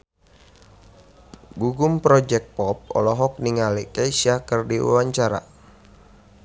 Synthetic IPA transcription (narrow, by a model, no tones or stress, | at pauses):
ɡuɡumpɾɔd͡ʒɛk̚t̪̚pɔp̚ɔ̰lɔɦɔk̚niŋalikajsiakərdiwa̰waɲt͡ʃaɾa̰